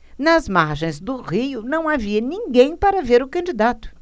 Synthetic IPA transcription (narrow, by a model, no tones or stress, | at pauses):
nɐzmaɾʒẽj̃zd̪ʊʁijʊnɐ̃w̃aviɐnĩŋɡẽj̃paɾɐveɾʊkɐ̃nd͡ʒid̪at̪ʊ̥